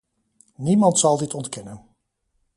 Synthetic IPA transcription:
nimɑntsɑlˠdɪtɔntkɛnən

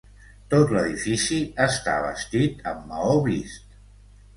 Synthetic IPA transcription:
t̪ot̪ləðifisiəst̪a̰βəst̪it̪əmːəoβist̪

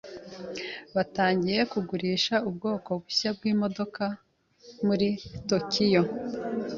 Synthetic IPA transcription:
βataːɲɟije̞kuɡuɾiːʃaubɡo̞ːko̞ɡuçabɡiːmo̞do̞ka | muɾitokʰijo̞

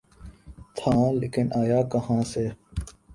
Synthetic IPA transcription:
t̪ʰãːlikɪnʔaːjaːkɐhãːseː

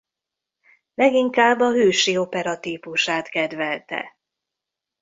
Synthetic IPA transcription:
lɛɡiŋkaːbːɒɦøːʃio̞pɛɾɒt̪iːpuʃaːt̪kɛd̪ʋɛlt̪ɛ̰

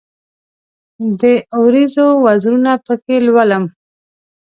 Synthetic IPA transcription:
d̪əwɾizowazɾunapəkelwaləm

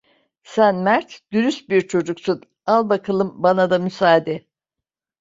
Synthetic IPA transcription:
sænmæɾt̪d̪̥yɾyst̪̚biɾt͡ʃʰo̞d͡ʒuksun | alˠbakʰɯlˠɯmbanad̪amysaːd̪ɛ

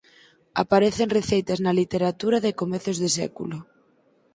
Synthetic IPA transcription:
a̰paɾeθeŋreθejt̪aznalit̪eɾat̪uɾaðɪkomɛθʊzðesɛ̰kṵlʊ

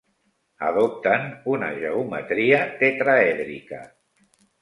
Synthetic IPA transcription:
ə̰ðop̚t̪ənunə̰ʒəumə̰t̪ɾiət̪et̪ɾaɛðɾḭkə

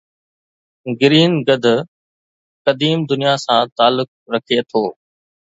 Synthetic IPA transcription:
ɡɪɾiːnɡɐd̪ʱ | kɐd̪iːmd̪ʊnijasãːt̪aːlʊk̚ɾɐkʰet̪ʰoː

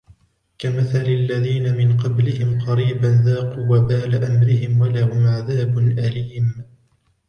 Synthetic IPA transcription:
kamaθalalːaðiːnamɪnqɑblɪhɪmqɑɾiːbanðaːquːwabaːlaʔamɾɪhɪmwalahʊmʕaðaːbʊnʔaliːm

